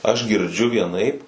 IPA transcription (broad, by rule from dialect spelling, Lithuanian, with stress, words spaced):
ɐʃ ɡʲɪrʲˈd͡ʒʲʊ ʋʲiɛˈnɐɪp